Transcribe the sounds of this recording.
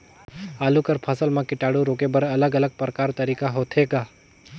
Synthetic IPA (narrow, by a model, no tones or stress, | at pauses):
aːlukəɾpʰəsəlmãkɪʈaːɽuɾoːkebəɾɐləɡɐləɡ̚pɾəkaːɾt̪ɐɾiːkaɦoːt̪ʰɦeːɡaː